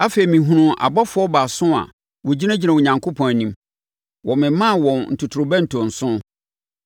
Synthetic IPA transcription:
a˦fe˨i˨mĩ˨ɦũ˨nʊ̃˦ʔa̰˨ba˦fʊ˨˦ɔ˦ba˨sʊ̃˦a̰˨ | wɔ˨d͡ʑi˦nã˦d͡ʑi˦nã˨ʊ˨ɲã˨ŋkʰo˦pʰɔ̃˨nĩ˦m | wʔɔ̃˨mɪ̃˨mã˦˨wɔ̃˨nn̩˨tʰʊ˨tʰʊ˨ɾʊ˨bɛ˦n̩˨tʰɔ̃˨n̩˨sʊ̃˦

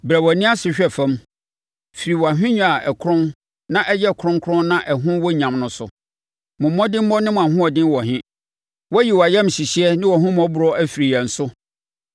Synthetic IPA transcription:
bɾæ˨wɔ˨nĩ˦a˦sɪ˨ɕᶣɛ˦˨fã˦m | fi˨ɾi˨wɔ˨a˨ɦᶣɪ̃˦ɲᶣũ˦a˨ɛ˨kʰɾʊ̃˦n | nã˦ʔɛ˦jɛ˦˨kʰɾʊ̃˦ŋ˦kʰɾʊ̃˦nnã˦ʔɛ˨ɦʊ̃˦wɔ˦ɲã˨mnʊ̃˨˦sʊ̰˨ | mʊ̃˨˦mɔ̃˦dɪ̃˦m˦mɔ˦nɪ̃˦mʊ̃˨a˨ɦʊ̃˦ɔ˨dɪ̃˦nwɔ˨ɦɪ̃˦ | wɔ˦ji˨wɔ˨a˨jɛ̃˦m˨ɕi˨ɕi˦ɛ˦nɪ̃˦wɔ˨ɦʊ̃˦m˦ɔ̃˦bʊ˨ɾɔ˦æ˦fi˨ɾi˨jɛ˨n̩˨sʊ˦

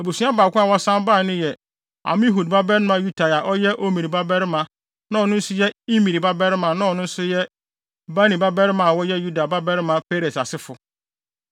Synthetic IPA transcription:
e˨bu˨su˨˦a˦baː˨kʰʊ̃˦a˨wɔ˦sã˦mba˦˨nɪ̃˦jɛ˨ | a̰˨mɪ̃˦ɦu˨dba˦bɛ˦ɾɪ˦mã˨ju˦tʰa˨ja˨ʔɔ˦jɛ˦ʔo˦mĩ˨ɾi˨ba˦bɛ˦ɾɪ˦mã˨ | nã˦ɔ˨nʊ̃˦n̩˦sʊ˦jɛ˦i˦mĩ˨ɾi˨ba˦bɛ˦ɾɪ˦mã˨nã˦ɔ˨nʊ̃˦n̩˦sʊ˦jɛ˦ | ba˦nĩ˨ba˦bɛ˦ɾɪ˦mã˨wɔ˦jɛ˦ju˦da˨ba˦bɛ˦ɾɪ˦mã˨pʰe˦ɾe˨sa˨sɪ˦fʊ˨

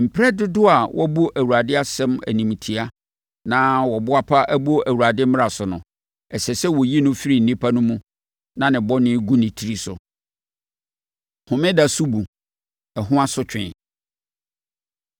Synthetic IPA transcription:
m̩˨pʰɾɛ˦dɪ˦dʊ˦a˨wʔɔ˦bu˦ʔæ˨wu˨a˨dɪ˦a˦sɛ̃˦mæ̰˨nĩ˨m˨tʰi˨a˦ | nã˦wɔ˨bʊ˦a˦pʰa˦ʔæ˦bu˦o˦ʔæ˨wu˨ɾa˨dɪ˦mɪ̃˦a˨sʊ˨nʊ̰̃˨ | ɛ˨sɛ˨sɛ˦wɔ˨ji˦nʊ̃˦fi˦ɾi˨n̩˨nĩ˦pʰa˦nʊ̃˦mũ˦ | nã˨nɪ̃˨bɔ˦nɪ̃˦ɡu˦nɪ̃˨tʰi˦ɾi˦sʊ̰˨ | hʊ̃˨mɪ̃˦da˨su˦bu˨ | ɛ˨ɦʊ̃˦a˦sʊ˦t͡ɕᶣɪ̃˨

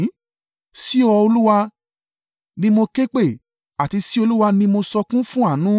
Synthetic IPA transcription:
si˦ɔ˧o˧lu˦wa˧ | nĩ˦mo˧ke˦k͡pe˦˨ | a˨ti˧si˦o˧lu˦wa˧nĩ˦mo˧sɔ˧kũ˦fũ˦a˦˨nũ˦

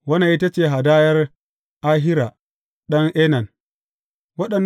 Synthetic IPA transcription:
wɐ˦na˨ʔi˦ta˦t͡ʃeː˨ɦa˨daː˦jɐ˦r | ʔa˦ɦɪ˦ɾa˨ | ɗɐ˦ŋʔeː˦nɐ˨n | wɐ˦ɗɐ˨nː

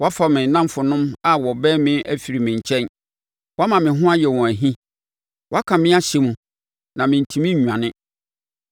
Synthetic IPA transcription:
wɔ˦a˦fa˨mɪ̃˨nã˦m˦fʊ˨nʊ̃˦ma˨wɔ˨bɛː˦mɪ̃˦ʔæ˦fi˨ɾi˨mɪ̃˨ɲ̩˨t͡ɕʰɛ̃˦n | wa˦mã˨mɪ̃˨ɦʊ̃˦a˦jɛ˨wɔ̃˨æ˨ɦĩ˦ | wɔ˦a˦kʰã˨mɪ̃˦a˦ɕe˨mũ˨ | nã˨mɪ̃˨n̩˨tʰĩ˨mɪ̃˦ɲᶣu˨ã˨nɪ̃˦

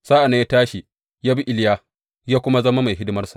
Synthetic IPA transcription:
saː˦ʔa˨naː˨˦ja˦taː˦ʃi˨ | jaː˦bi˦ʔɪ˦ljaː˦ | jaː˦kʷʊ˦ma˦zɐ˦ma˦ma˨jɦɪ˦dɪ˦mɐ˦rsḁ˨ʔ

